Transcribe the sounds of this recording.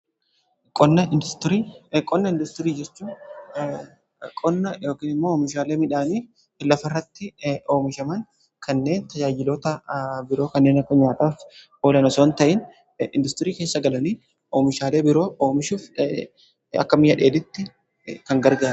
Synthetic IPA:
kʼɔnːɐɪnd̪ʊst̪ɪɾiːkʼɔnːɐɪnd̪ʊst̪ɪɾiːd͡ʒɛt͡ʃːuːn | kʼɔnːɐjo̞ːkiːnɪmːoːoːmɪʃaːle̞ːmɪᶑaːniː | lɐfɐɪrːɐt̪ːɪo̞ːmɪʃɐmɐŋ | kʰɐnːe̞ːnt̪ɐd͡ʒaːd͡ʒɪloːt̪ɐbɪɾo̞ːkɐnːeːnɐkːɐɲaːt̪aːf | oːlɐnɐso̞ːnt̪ɐʔɪn | ɪ̰nd̪ʊst̪ɪɾiːke̞ːsːɐɡɐlɐniː | ʔo̞ːmɪʃaːle̞ːbɪɾo̞ːʔoːmɪʃuːf | ɐ̰kːɐmɪjɐᶑe̞ːd̪ɪt̪ːɪ | kɐŋɡɐɾɡaː

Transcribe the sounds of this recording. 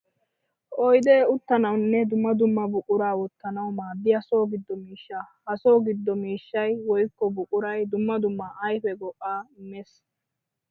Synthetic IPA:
ʔɔjd̪eːʊt̪ːɐnɐwnːɛd̪ʊmːɐd̪ʊmːɐbʊkʼʊɾaːwɔt̪ːɐnɐwmaːd̪ːɪjɐso̞ːɡɪd̪ːɔmiːʃːaːhɐso̞ːɡɪd̪ːɔmiːʃːɐjwɔjkːɔbʊkʼʊɾɐjd̪ʊmːɐd̪ʊmːaʔɐjfɛɡɔʔːaːɪmes

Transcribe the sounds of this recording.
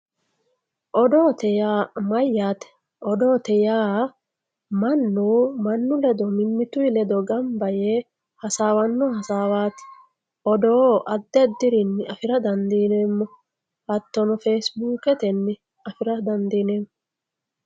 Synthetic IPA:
ʔɔd̪o̞ːt̪ɛjaːmɐjːaːt̪ɛ̥ | ʔɔd̪o̞ːt̪ɛjaː | mɐnːuːmɐnːʊlɛd̪ɔmɪmːɪt̪ʊjlɛd̪ɔɡɐmbɐje | hɐsaːwɐnːɔhɐsaːwaːt̪ɪ̥ | ʔɔd̪o̞ːʔɐd̪ːɛd̪ːɪɾɪnːɪɐfɪɾɐd̪ɐnd̪iːneːmːɔ | hɐt̪ːɔnɔfeːsbuːkɛt̪ɛnːɪ | ɐfɪɾɐd̪ɐnd̪iːneːmːɔ

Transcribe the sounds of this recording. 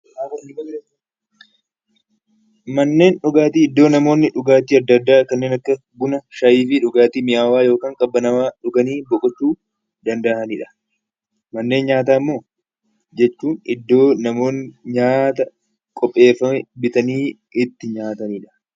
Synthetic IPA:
mɐnːe̞ːnᶑʊɡaːt̪iːɪd̪ːo̞ːnɐmo̞ːnːɪᶑʊɡaːt̪iːɐd̪ːɐd̪ːaːkɐnːeːnɐkːɐ | bʊnɐʃɐjiːfɪᶑʊɡaːt̪iːmɪʔaːwaːjo̞ːkaːŋkʼɐbːɐnɐwaːᶑʊɡɐniːbɔkʼɔt͡ʃːuː | d̪ɐnd̪ɐʔɐniːᶑɐ̥ | mɐnːe̞ːnɲaːt̪̬aːɪmːo̞ː | d͡ʒɛt͡ʃːuːnɪd̪ːo̞ːnɐmo̞ːnːɪɲaːt̪ɐ | kʼɔpʼːe̞ːfːɐmɛbɪt̪ɐniː | ɪt̪ːɪɲaːt̪ɐniːᶑɐ̥

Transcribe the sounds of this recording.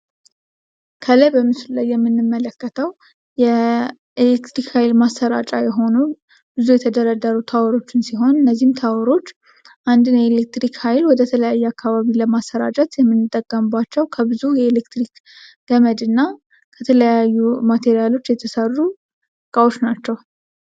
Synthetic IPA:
kʰələbəmɨslulajːɛmːɨnːɨmːələkːət̪ʰəw | jɛ | elekt̪ɾikhajlmasːəɾa̰t͡ʃʼajɛɦo̞nu | b̥ɨzujɛt̪ʰəd̪əɾəd̪ːəɾut̪ʰawɔɾo̞t͡ʃːɪnsiɦo̞nɨnːəzːihmt̪ʰawɾo̞t͡ʃː | ʔand̪ɨnjɛelek̚t̪ɾikhajlwɔd̪ət̪ʰələjajːuakʰːaβaβiləmasːəɾa̰t͡ʃʼət̪jɛmːɨnːɨt̪ʼːəkʼːəmɨbːat͡ʃːɛwkʰəbɨzujɛelekt̪ɾik | ɡ̥əməd̪ɨnːa | kʰət̪ʰələjajːumat̪ʰe̞ɾijalo̞t͡ʃːjɛt̪ʰəsərːu | kʼawot͡ʃːnat͡ʃːɛw

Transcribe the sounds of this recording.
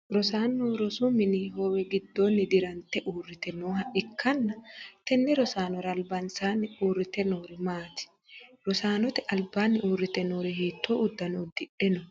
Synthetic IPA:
ɾɔsaːnːoːɾɔsʊmɪnɪɦoːwɛɡɪd̪ːoːnːɪd̪ɪɾɐnt̪ːɛʔuːrːɪt̪ɛnoːɦɐʔɪkʰːɐnːɐt̪ɛnːɛɾɔsaːnɔɾɐːlbɐnsaːnːɪuːrːɪt̪ɛnoːɾɪmaːt̪ɪ̥ | ɾɔsaːnɔt̪ɛʔɐlbaːnːɪʔuːrːɪt̪ɛnoːɾɪhiːt̪ːoʔʊd̪ːɐnod̪ɪᶑɛnɔ

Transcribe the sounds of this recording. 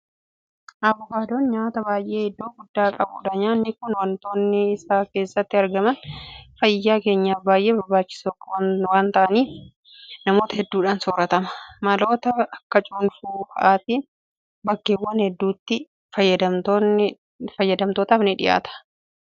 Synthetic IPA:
ʔɐbʊkaːd̪oːnɲaːt̪ɐbaːjʔe̞ːhɛd̪ːoːɡʊd̪ːaːkʼɐbuːᶑɐɲaːnːɪkʊnwɐnt̪o̞ːnːɪɪsaːke̞ːsːɐt̪ːɪɐɾɡɐmɐnfɐjːaːke̞ːɲːaːfbaːjʔe̞ːbɐɾbaːt͡ʃːɪ̥sokːwwaːnt̪ɐʔɐniːf | nɐmo̞ːt̪ɐhɛd̪ːuːᶑaːnsɔːɾɐt̪ɐmɐ̥mɐlo̞ːt̪ɐɐkːɐt͡ʃʼuːnfuːhɐʔaːt̪iːn | bɐkːeːwːɐnhɛd̪ːuːt̪ːɪ | fɐjːɐd̪ɐt̪ː | fɐjːɐd̪ɐmt̪oːt̪aːfnɪᶑɪja̰ːt̪ɐ̥

